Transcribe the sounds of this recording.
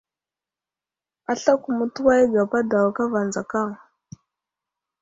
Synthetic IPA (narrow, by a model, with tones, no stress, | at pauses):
a˨ɬa˦ku˨mu˦˨tu˦wa˦jɡa˨pa˦da˨wa˨ka˦va˨nd͡za˨ka˦˨ŋ